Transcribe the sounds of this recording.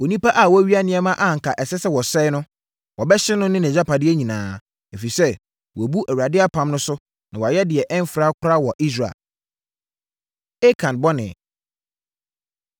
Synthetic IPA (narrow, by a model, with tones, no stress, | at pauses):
o˨nĩ˦pa˦ʔa˨wɔ˦ɥi˦a˦nɪ̃˦ɛ˦mã˦ʔa˦ŋ̩˨kʰa˨ʔɛ˨sɛ˦sɛ˦wɔ˨sɛ˦nʊ̃˦ | wɔ˨bɛ˦ɕɪ˦nʊ̃˦nɪ̃˦nɛ̃˨d͡ʑa˦pʰa˨dɪ˦ɛ˦ɲĩ˨nãː˨ | e˨fi˨sɛ˦ | wɔ˨bu˦ʔæ˨ɥɾa˨dɪ˦a˦pʰã˨˦mnʊ̃˦sʊ˦ | nã˨wɔ˨a˨jɛ˦dɪ˨ɛ˨ʔɛ̃˦m˦fɾa˦kʰʊ˦ɾa˦wɔ˨ʔi˦s̬ɾa˨ḛ˨l | e˦kʰã˨nbɔ˦nɪ̰̃˨